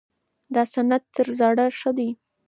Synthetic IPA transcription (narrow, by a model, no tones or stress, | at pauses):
d̪ɑsanad̪t̪əɾzɑɽaʂəd̪aj